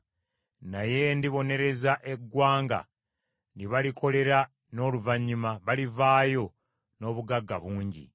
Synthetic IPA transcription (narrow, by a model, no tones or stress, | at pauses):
naje̞ndiβo̞ne̞ɾe̞zaʔe̞ɡːwaːŋɡa̰ | ndiβalikʰo̞le̞ɾa | no̞ːluvaɲːimaβalivaːjo̞ | no̞ːβuɡaɡːa̰βuːɲɟḭ